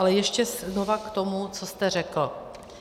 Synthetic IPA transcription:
alɛjɛʃcɛzno̞vakt̪o̞mut͡so̞st̪ɛr̝ɛkl̩

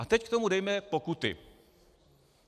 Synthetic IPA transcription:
at̪ɛck̚t̪o̞mudɛjmɛpo̞kut̪ɪ̰

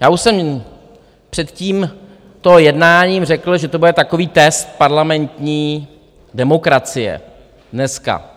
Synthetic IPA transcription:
jaːuʃsɛm | pr̝̥ɛt̪ciːm | t̪ojɛdnaːɲiːmr̝ɛkl̩ʒɛt̪obudɛt̪ako̞viːt̪ɛst̪̚paɾlamɛnt̪ɲiː | dɛmokɾat͡sɪjɛ̰ | dnɛska̰

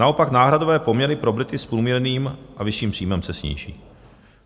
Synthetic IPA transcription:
nao̞paknaːɦɾadovɛːpo̞mɲɛɾɪpɾo̞bɾɪt̪ɪspɾuːmɲɛɾniːmʔavɪʃiːmpr̥iːmɛmsɛsɲḭːʒḭː

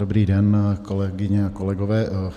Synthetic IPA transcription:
ɾbɾid̪ɛnkolɛɡɪɲɛakolɛɡovɛː

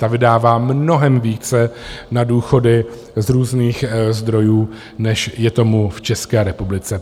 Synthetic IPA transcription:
t̪avɪdaːvaːmno̞ɦɛmviːt͡sɛnaduːxo̞dɪ | zɾuːzniːxzd̪ɾo̞juː | nɛʃjɛt̪o̞muft͡ʃɛskɛːɾɛpublɪt͡sɛ

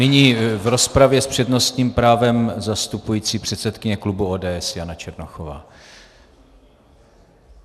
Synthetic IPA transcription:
nɪɲiːvɾo̞spɾavjɛspr̝̥ɛdno̞st̪ɲiːmpɾaːvɛmzast̪upujiːt͡siːpr̝̥ɛt̪sɛt̪kɪɲɛklubuoːdɛːɛsjanat͡ʃɛɾnoxova̰ː

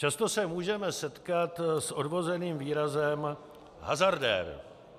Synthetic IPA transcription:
t͡ʃast̪o̞sɛmuːʒɛmɛsɛt̪kat̪sʔo̞dvo̞zɛniːmviːɾazɛm | ɦa̰zaɾdɛ̰ɾ

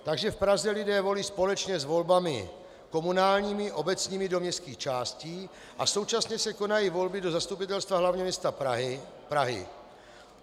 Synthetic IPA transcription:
t̪aɡʒɛfpɾazɛlɪdɛːvo̞liːspo̞lɛt͡ʃɲɛzvo̞lbamɪ̰ | ko̞munaːlɲiːmɪʔo̞bɛt͡sɲiːmɪdomɲɛst̪kiːxt͡ʃaːsciː | ʔa̰so̞wt͡ʃasɲɛsɛko̞najivo̞lbɪdo̞zast̪up̬ɪt̪ɛlst̪vaɦlavɲɛmɲɛst̪a | pɾaɦɪ̰

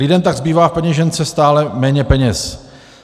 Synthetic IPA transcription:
lɪdɛmt̪aɡzbiːvaːfpɛɲɛʒɛnt͡sɛst̪aːlɛmɛːɲɛpɛɲɛs

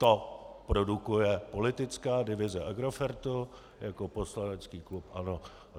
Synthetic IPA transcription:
t̪opɾo̞dukujɛpo̞lɪt̪ɪt͡skaːdɪvɪzɛʔaɡɾofɛɾt̪u | jako̞poslanɛt͡skiːklupʔa̰no̞

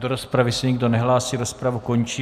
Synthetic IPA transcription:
doɾo̞spɾavɪsɛɲɪɡdo̞nɛɦlaːsiːɾo̞spɾavuko̞ɲt͡ʃiː

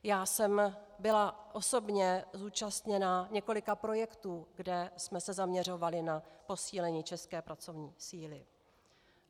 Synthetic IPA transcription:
jaːsɛmbɪlaʔo̞so̞bɲɛzuːt͡ʃast̪ɲɛnaɲɛko̞lɪkapɾo̞jɛkt̪uːɡdɛsmɛsɛzamɲɛr̝o̞valɪnapo̞siːlɛɲiːt͡ʃɛskɛːpɾʔat͡so̞vɲiːsiːlɪ

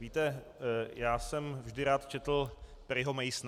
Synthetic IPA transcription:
viːt̪ɛ | jaːsɛmvʒdɪɾaːt̪t͡ʃɛt̪l̩ | pɾɪɦomɛjsn

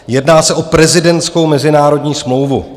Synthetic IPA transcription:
jɛdnaːsɛʔopɾɛzɪdɛnsko̞wmɛzɪnaːɾo̞dɲiːsmlo̞wvṵ

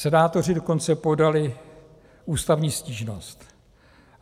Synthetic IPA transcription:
sɛnaːt̪o̞rɪdo̞ko̞nt͡sɛpo̞dalɪ | uːst̪avɲiːsciːʒno̞st̪

